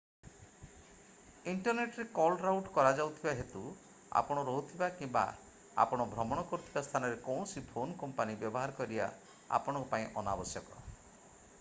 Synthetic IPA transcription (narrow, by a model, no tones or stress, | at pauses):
iɳʈɔɾneʈɔɾekɔlɖɾawʈkɔɾad͡ʒawt̪ʰibaɦet̪u | a̰pɔɽ̃ɔɾɔɦut̪ʰibakĩmba̰ | a̰pɔɽ̃ɔbʱɾɔmɔɽ̃ɔkɔɾut̪ʰibast̪ʰanɔɾekɔw̃sipʰonkɔmpanibjɔbɔɦaɾɔkɔɾia̰ | a̰pɔɽ̃ŋkupaĩʔɔnabɔsjɔkɔ